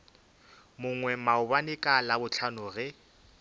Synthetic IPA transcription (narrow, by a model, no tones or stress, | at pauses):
mʊŋwɛmaʊbanɪkʼalabʊt͡ɬʰanʊɣɛ